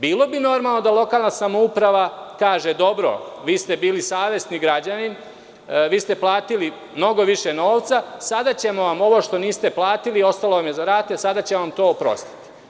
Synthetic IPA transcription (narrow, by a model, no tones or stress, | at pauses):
biːlˠo̞bino̞ɾmalˠno̞d̪alˠo̞kaːlˠnasamoupɾaʋakaːʒe̞d̪o̞bɾo̰ʋiːst̪ebiːlisaːʋe̞sniɡɾad͡ʑanin | ʋiːst̪e̞plˠaːt̪ili | mno̞ɡo̞ʋiʃeno̞ːʋt̪sasad̪at͡ɕe̞mo̞ʋamo̞ʋo̞ʃt̪o̞niːst̪eplˠaːt̪ilio̞st̪alo̞ʋamjezaɾaːt̪esad̪at͡ɕeʋamt̪o̞ːpɾo̞̰st̪i̥t̪i̥